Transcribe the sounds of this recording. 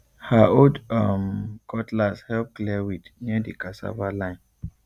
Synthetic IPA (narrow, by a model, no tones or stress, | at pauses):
haodamkʰɔtlashɛlp̚klɛwidnidikasa̰valãɪn